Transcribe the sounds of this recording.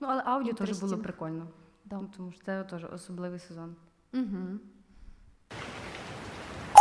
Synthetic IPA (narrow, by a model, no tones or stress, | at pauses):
nuɐlˠɛʔɑwdʲiɔt̪ɔʒɛbulˠɔpɾɪkɔlʲnɔd̪nt̪ɔmuʃt̪sɛt̪ɔʒɛ̰ʔɔ̰sɔblˠɪʋɪjsezɔn̩ | ɦ̩